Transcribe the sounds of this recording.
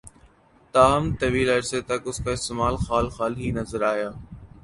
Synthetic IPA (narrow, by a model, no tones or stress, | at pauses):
t̪aːmt̪ɐʋiːləɾseːt̪ɐkʊskaːɪst̪eːmaːlxaːlxaːlɦiːnəzəɾaːjaː